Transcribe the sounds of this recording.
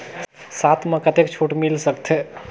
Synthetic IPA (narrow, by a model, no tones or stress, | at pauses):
sat̪ʰmə̃kət̪ek̚t͡ʃʰoʈmilsəkt̪ʰe